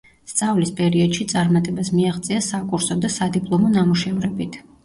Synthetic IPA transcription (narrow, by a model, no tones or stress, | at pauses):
st̪sʼavlispʼɛɾiɔd̪ʃit̪sʼaɾmat̪ʼɛbasmiaχt̪sʼiasakʼuɾsɔd̪asad̪ipʼlˠɔmɔnamuʃɛvɾɛbit̪ʰ